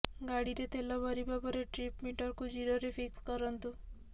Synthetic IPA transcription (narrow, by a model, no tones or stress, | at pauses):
ɡaɽiɾet̪ʰelɔbʱɔɾibabɔɾeʈɾipmiʈɔɾkud͡ʒiɾoɾefʰikskɔɾɔnt̪u